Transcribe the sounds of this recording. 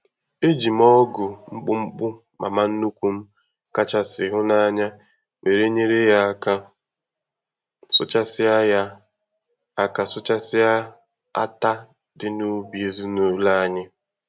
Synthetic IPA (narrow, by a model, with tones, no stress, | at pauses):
e˦d͡ʒi˨mɔ˦ɡʊ˨ŋ͡m̩˦k͡pʊ˦ŋ͡m̩˦k͡pʊ˦ | ma̰˨ma˦n̩˦nu˦kʷu˦m̩˦ | ka˦t͡ʃa˨sɪ˨ɦʊ˦na˦ɲa˦ | me˨ɾe˦ɲe˦ɾe˦ja˦˨ka˨ | sʊ̰˦t͡ʃa˦sɪ˦a˦ja˦ | a˨ka˨sʊ˦t͡ʃa˦sɪ˦a˦ | a̰˦ta˦ | dɪ˨no˦bi˨e˨zi˦no˨˦la˦ɲɪ˦